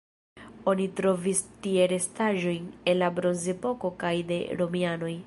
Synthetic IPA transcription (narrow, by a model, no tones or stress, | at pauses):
o̞nitɾo̞vistie̞ɾe̞staʒo̞jnenlabɾo̞nzepo̞ko̞kajde̞̰ɾo̞miano̞j